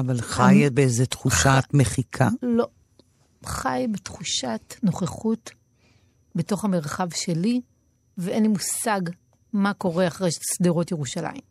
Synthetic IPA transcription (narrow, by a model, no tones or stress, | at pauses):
avalχajbeezetχuʃatmeχikʰalo̞ | χajbetχuʃatno̞χeχut | beto̞χhameʁχavʃeli | veʔenlimusaɡ | mako̞ʁeaχʁejʃsdiʁotjeʁuʃala̰im